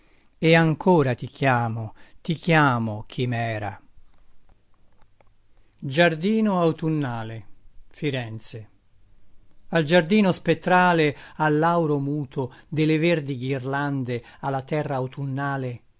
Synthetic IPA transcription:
eaŋkʰoːɾat̪ik̟ʰjaːmot̪ikjaːmok̟ʰimɛːɾa̰ | d͡ʒard̪iːnoawt̪unːaːlefiɾɛnt̪se | ald͡ʒard̪iːnospet̪ːɾaːlealːawɾomuːt̪ʰod̪ɪleverd̪iɡirland̪ealːat̪ɛrːaːwt̪unːaːle

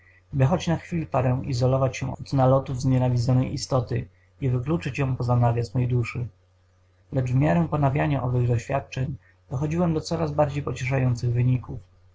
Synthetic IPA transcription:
bɘxɔt͡ɕnaxfʲilʲipaɾɛ̃w̃ḭzɔlɔvat͡ɕɕɛ̰unalɔt̪uvzɲɛnavʲid̪zɔnɛjʔḭst̪ɔt̪ɘ | ivɘklut͡ʂɘt͡ɕjɔ̃w̃pɔzanavʲjasmɛjd̪uʂɘ | lɛt͡ʂvmʲjaɾɛ̃pɔnavʲjaɲaʔɔvɘɣd̪ɔɕfʲja̰t̪̚t͡ʂɛɲ | d̪̥ɔxɔd͡ʑiwɛmd̪ɔt̪sɔɾazbaɾd͡ʑejpɔt͡ɕɛʂ̬ajɔnt̪sɘɣvɘɲikuf

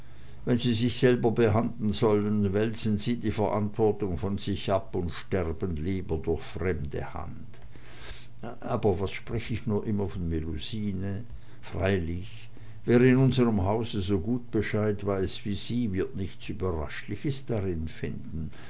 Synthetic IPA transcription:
vɛnziːzɪçz̥ɛlbɐbəɦandln̩zɔlənvɛlsən̩ziːdiːfɛɐʔa̰ntv̥ɔɐtʊŋfɔnz̥ɪçʔapʊntʃtɛʁbənliːbɐdʊɐçfʁ̥ɛmdə̰ha̰nt | ʔaːbɐvasʃpʁ̥ɛçəɪçnuːɐʔɪmɐfɔnmeluziːnə | fʁ̥aɪlɪç | vɛːʁəɪnʊnzəʁəmɦaʊzəzoːɡuːt̚b̥əʃaɪtv̥aɪsv̥iːz̥iːvɪɐtnɪçt͡syːbɐʁa̰ʃlɪçəsd̥aʁɪnfɪndn̩

